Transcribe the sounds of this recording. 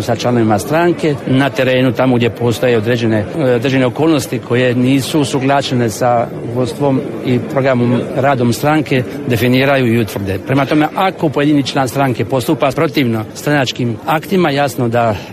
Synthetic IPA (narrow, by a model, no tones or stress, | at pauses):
sat͡ʃlˠano̞ʋimast̪ɾaŋke̞nat̪e̞ɾe̞ːnut̪amoɡd̪jepo̞ːst̪o̞jeod̪ɾed͡ʑeneod̪ɾed͡ʒe̞neo̞ko̞ːlˠno̞st̪ikʰo̞je̞niːsusuɡlˠaʃe̞ne̞sa | ɡost̪ʋo̞mipɾo̞ɡɾamomɾaːd̪o̞mst̪ɾaŋke̞ | d̪e̞finiːɾajuiut̪ʋr̩d̪e̞pɾe̞mat̪o̞me̞ʔako̞poed̪init͡ʃlˠaːnst̪ɾaŋke̞po̞st̪upapɾo̞t̪iʋno̞st̪ɾanat͡ʃkimakt̪imajasno̞d̪a